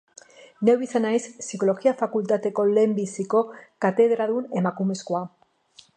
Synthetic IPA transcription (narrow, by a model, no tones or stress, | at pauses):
newβisanajsːiko̞lo̞ɣiafakult̪at̪e̞ko̞le̞mbisiko̞kat̪e̞ðɾaðune̞makumeskoa